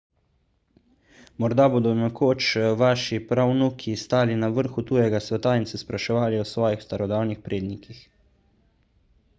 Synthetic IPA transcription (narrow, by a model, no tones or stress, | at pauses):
mɔɾd̪aboːd̪ɔnɛkʰoːt͡ʃʋaːʃipɾawnukʰist̪aːlinaʋəɾxut̪ujɛɡasʋɛt̪ainsɛspɾaʃɛʋaːliɔsʋɔːjixst̪aɾɔd̪awnixpɾʔeːd̪nikix